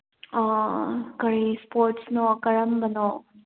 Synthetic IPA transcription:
kəɾispoːɾʈsnokəɾəmbənoː

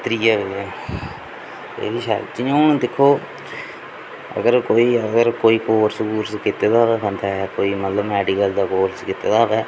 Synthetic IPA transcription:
t̪ɾiːɛːʋeɛː | t̪ḛːʋiːʃa̰d͡ʒɪjãːnd̪ɪkʰːoː | ə̰ɡəɾkoːiːəɡəɾkoːiːkoːɾsəkuːɾskɪt̪eːd̪aːʋɛːkə̃nd̪aːɛkoːiːmət̪ləbɛːɖiːɡəld̪aːkoːlskɪt̪ːeːd̪aːɦʋɛː

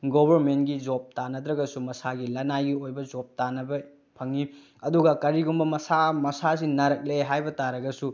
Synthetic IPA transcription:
ɡobɐɾmentɡid͡ʒop̚tanɐdɾɐɡɐsumɐsaɡilɐnajɡiojbɐd͡ʒop̚tanɐbɐ | pʰɐŋi | ɐduɡɐkɐɾiɡumbɐmɐsamɐsasinɐɾɐk̚leɦajbɐtaɾɐɡɐsu

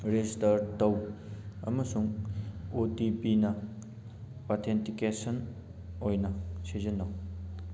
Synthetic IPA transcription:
ɾezistɐɾtɐwɐ̰mɐsuŋotipinɐ | wat̪ʰentikesɐn | ojnɐsezɐnːɐw

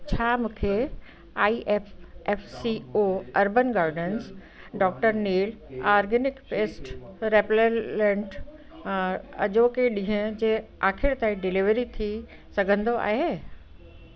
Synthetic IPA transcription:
t͡ɕʰaːmũːkʰe | aːiʔeːfeːfsioːɐɾbənɡaːɾɖəns | ɖɔːk̚ʈəɾniːlaːɾɡənɪkpeːsʈɾeːplelẽɳʈ | ɐ̰d͡ʑoːkeɗĩɦə̃d͡ʑeːaːkʰɪɾt̪aːĩɖɪlɪʋəɾit̪ʰi | sɐɡʱə̃nd̪oʔa̰ːɦeː

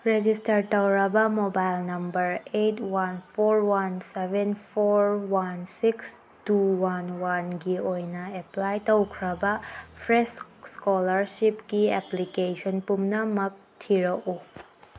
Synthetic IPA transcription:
ɾed͡ʒistɐɾtɐwɾɐbɐmobajlnɐmbɐɾetwanpʰoɾwansebʱenpʰoɾwansiks | tuwanwanɡiojnɐeplajtɐwkʰɾɐbɐpʰɾesskɔlɐɾsipɡieplikesʰɔnpumnɐmɐk̚tʰiɾɐʔu

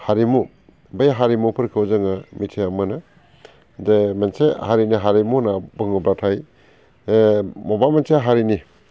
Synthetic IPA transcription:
haɾimu | bajɦaɾimupʰɐɾkʰɯwzɐŋamitʰeamɐnɐ | demensehaɾiniɦaɾimunabɯŋɯbɾatʰaj | mobamenseɦaɾini

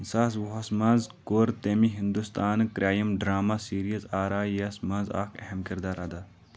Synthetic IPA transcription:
saːs̬wuɦɐsmɐnzkoːɾt̪eːmiɦind̪ust̪aːnkɾaːjɐmɖɾaːmasiːɾiɐzaːɾaːjɐsmɐza̰ːkʰeɦɐmkɪɾd̪aːɾad̪ɐ

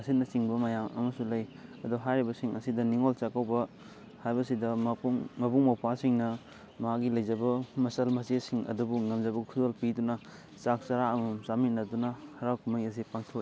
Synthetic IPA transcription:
ɐsitnɐt͡ʃiŋbɐmɐjamɐ̰mɐsulɐjɐduɦajɾibɐsiŋɐsidɐniŋolt͡ʃakawbɐ | hajbɐsidɐmŋmɐbuŋmawpasiŋnɐ | mɐɦaɡilɐjd͡ʒɐbɐmɐsɐlmɐsesiŋɐ̰dubuŋɐmd͡ʒɐbɐkʰudolpidunɐ | sak̚t͡ʃaɾaɐmɐmsamit̚nɐdunɐhɐɾawkumɐjɐs̬ipaŋtʰoki

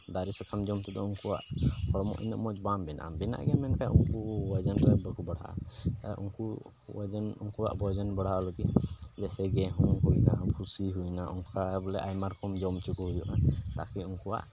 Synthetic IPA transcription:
d̪aɾisɔkʰamd͡ʒɔmt̪ɛd̪ɔuŋkuwa̰ʔhɔɽɔmɔ̰ʔḭnəʔmɔt͡ʃbambɛna̰ʔmbɛna̰ʔɡɛmɛnkajṵŋkuwad͡ʒənɾɛbəkubəɽa̰ʔa̰t̪a̰ʔṵŋku | wad͡ʒənṵŋkuwa̰ʔbɔd͡ʒɔnbəɽ̤alɔɡid͡ʒɛsɛɡɛɦɔŋɦujnabʱusiɦujnaʔɔŋkkabɔlɛʔajmaɾkʰɔmd͡ʒɔmt͡ʃukuɦujɔʔat̪a̰kɛuŋkuwa̰ʔ

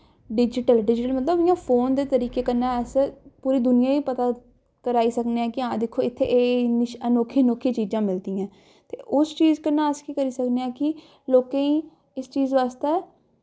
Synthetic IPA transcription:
ɖɪd͡ʒɪʈəlɖɪd͡ʒʈəlmət̪ləbɪjãːpʰoːnd̪eːt̪əɾiːkeːkənaːɛspuːɾiːd̪ʊnɪjãːĩːpət̪aː | kəɾaːiːsəkneãːkɪãːd̪ɪkʰːoːɪt̪ʰːḛʔeːnɪʃənoːkʰːeːnoːkʰːiːt͡ʃiːd͡ʒãːmɪld̪iːãː | t̪ḛːʔʊst͡ʃiːzkənːãːəskiːkəɾiːsəkneːãːkɪ | loːkẽːĩː | ɪst͡ʃiːzʋaːst̪eː

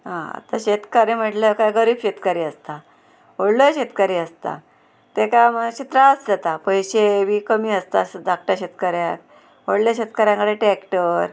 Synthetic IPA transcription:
ɦãa̰t̪aɕet̪kaɾem̤əʈləkajɡəɾiːbɕet̪kaɾiːəst̪a | oɽləɕet̪kaɾiːəst̪a̰ | t̪ekaməɕit̪ɾaət͡sd͡zat̪apəjɕeʋiːkəmiːəst̪asd̪ʱak̚ʈaɕet̪kəɾjak | oɽljaɕet̪kaɾjãŋkəɽeʈɛkʈəɾ

